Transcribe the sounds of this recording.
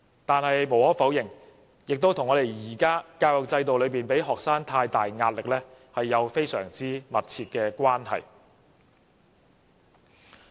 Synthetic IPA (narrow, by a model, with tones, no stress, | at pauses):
t̪aː˨nhɐ˨jmo˨˩whɔː˨˥fɐ˨˥wjɪ˨˩ŋ | jɪ˨k̚t̪o˥wt̪ʰŋːɔː˨˧d̪e˨jjiː˨˩kaː˥kaː˧wjɔ˨˩k̚t͡sɐ˧jt̪o˨wlɵ˨˧ɥpiː˨˩npe˨˥jɦɔː˨k̚saː˥ŋt̪ʰaː˧jt̪aː˨jŋaː˧t̚lɪ˨k̚lɛː˥ | hɐ˨jːɐ˨˧wfe˥jsœ̰ː˨˩ŋt͡siː˥mɐ˨t̚t͡sʰiː˧t̚kɛː˧kʷaː˥nɦɐ̰˨˩j